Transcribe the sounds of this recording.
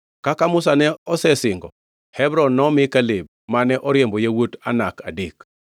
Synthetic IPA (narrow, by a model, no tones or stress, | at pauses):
kakamʊs̬anɛɔsɛsɪŋɡɔ̰ | hɛbɾɔnːɔmɪkalɪb̚manɛʔɔɾjembɔjewota̰nakadek